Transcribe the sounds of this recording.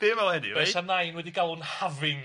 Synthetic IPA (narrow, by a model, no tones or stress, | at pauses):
b̥ɪːmvɛlˠɛnḭ̥ɛsanajnwɛdiɡalˠʊnhavɪŋ